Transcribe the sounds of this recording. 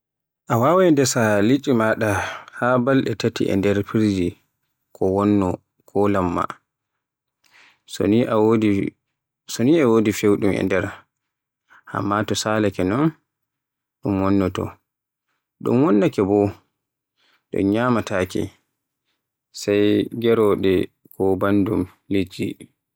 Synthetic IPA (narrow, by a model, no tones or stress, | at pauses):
ʔawawɛndɛsalit͡ʃʼimaɗahabalʔɛ̰tatḭʔɛ̰ndɛɾpiɾd͡ʒi | kʰɔwɔnːɔ | kʰɔlamːa̰ | sɔniwdi | sɔniɛwoːdifewɗumɛ̰ndɛɾ | ʔa̰mːatɔsalakɛnɔn | ɗumwɔnːɔtɔ̰ | ɗṵmwɔnːakɛbɔ | ɗɔ̰ɲamatʰakɛ̰ | sajɡɛɾɔɗɛ | kɔbandum | led͡ʒːḭ